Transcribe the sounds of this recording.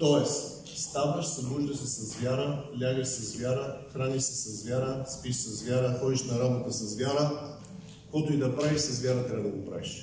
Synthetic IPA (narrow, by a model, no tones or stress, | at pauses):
t̪ɔɛs | st̪avəʃsɐd̪ɾuʒd̪əsɛsɐzvʲaɾəlʲaɡəʃsɐzvʲjaɾəxɾaniʃsɛsɐzvʲjaɾəspiʃsɐzvʲjaɾəxɔd̪iʃnɐɾabot̪əsɐzvʲjaɾə | kot̪ʊid̪ɐpɾaviʃsɐzvʲjaɾət̪ɾʲabəd̪ɐɡopɾa̰viʃ